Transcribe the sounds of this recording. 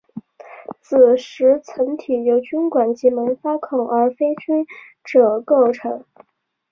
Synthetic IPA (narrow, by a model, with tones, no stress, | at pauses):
t͡sʰɹ̩˨˩ʂɻ̩˧˥t͡sʰə˧˥ŋt̪ʰi˨˩jo˧˥ʊt͡ɕy˥nkwa˨˩nt͡ɕi˧˥mə˧˥nfa˥kʰʊ˨˩ŋə˞˧˥fe˥ɪt͡ɕʰy˥n | ʈ͡ʂɤ˨˩ko˥˩ʊʈ͡ʂʰɤ˧˥ŋ